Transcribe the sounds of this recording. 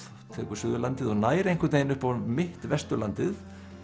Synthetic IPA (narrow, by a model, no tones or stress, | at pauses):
t̪ʰɛːkʏɾ̥sʏðʏlant̪ɪðɔɣnaːjɾejŋ̥kʰɾt̪ejnʏhpawmɪht̪vɛst̪ʏla̰nt̪ɪθ